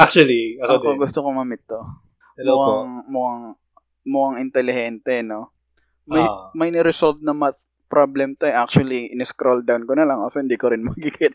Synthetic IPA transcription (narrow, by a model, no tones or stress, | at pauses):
ʔak̚t͡ʃuɐliɐok̪oɡʊst̪okomɐmɪt̪ːo | mloʔɐŋmʊʔɐŋ | mʊʔɐŋɪnt̪ɛlɪhɛnt̪ɛno̞ | mɐjmɐjnɛɾɛsolv̚nɐmɐt̪ | pɾʔoblɛmt̪oɛʔak̚t͡ʃʊɐliʔɪnɛskɾold̪awnkonɐlɐŋʔosɛhɪnd̪iːkoɾɪnmɐɡiɡɪt̪̚